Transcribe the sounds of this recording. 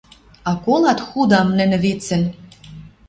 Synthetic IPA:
ɑkolˠɑt̪xud̪ɑmnɘ̆nɘ̆βet͡sɘ̆n

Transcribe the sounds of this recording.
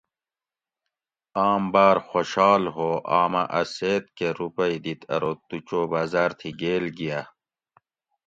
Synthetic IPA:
aːmbaːɾxoɕɑːlɦoːʔaːmɐʔɐseːt̪keɾupɐid̪it̪ʰɐ̰ɾot̪ut͡ɕoːbaːzaːɾt̪ʰiɡeːlɡija

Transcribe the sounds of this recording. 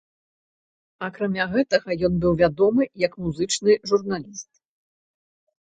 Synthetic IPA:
akɾamʲaɣɛt̪ɐɣɐjɔnbɨwvʲad̪ɔmɨjɐkmuzɨt͡ʂnɨʐurnalʲist̪̚

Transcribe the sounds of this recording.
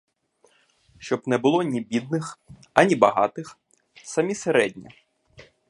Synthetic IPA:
ʃt͡ʃɔbnɛbʊlˠɔnʲibʲid̪̚nɪx | ɐnʲibɐɦɑ̰t̪ɪx | sɐmʲiseɾɛdʲnʲɐ̰

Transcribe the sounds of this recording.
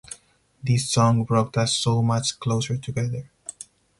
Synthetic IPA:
d̪isːɔ̃ŋbɾɔk̚tʌsːoːmʌt͡ʃkloʊsəɹʈʰuɡɛd̪əɹ

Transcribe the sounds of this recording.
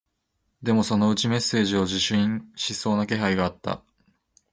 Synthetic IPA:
d̪e̞mo̞so̞no̞ɯ̟t͡ɕime̞sːe̞ːʑio̞ʑiɕɨĩɕiso̞ːnake̞ɦaiɡaːt̪ːa̰

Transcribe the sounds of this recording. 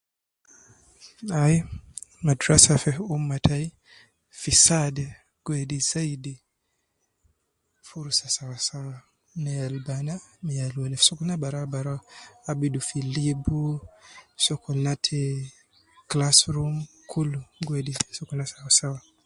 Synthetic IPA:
ajmadɾasafɛumːatʰai | fisadɛ | ɡ̥wɛdizaidi | fuɾsasawasawa | nɛalbanamialwɛlɛfsɔkunabaɾabaɾaabidufilibu | sɔkɔnatʰɛ | klasɾum | kʰuluɡwɛdisɔkunasawasawa

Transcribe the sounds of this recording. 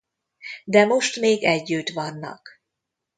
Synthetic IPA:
d̪ɛmo̞ʃt̪meːɡɛɟːyt̪ʋɒnːɒ̰k

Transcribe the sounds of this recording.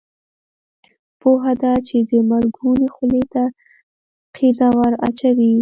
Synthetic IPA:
poɦad̪at͡ʃed̪əmaɾɡunexʊlet̪a | qʰizawaɾa̰t͡ʃawi

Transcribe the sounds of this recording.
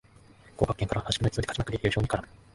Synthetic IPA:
koːkakːẽŋkaɾahaɕi̥kɯnit͡s̪od̪ekat͡ɕimakɯ̟d̪eteɾɯ̟ɕoːɲ̟ikaɾamɯ

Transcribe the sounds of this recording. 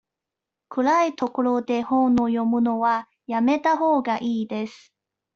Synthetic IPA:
kʰɯ̟ɾait̪o̞ko̞ɾo̞d̪e̞hõnojo̞mɯ̟no̞βa | jame̞t̪aɦo̞ːɡaʔiːd̪e̞sɨ̥

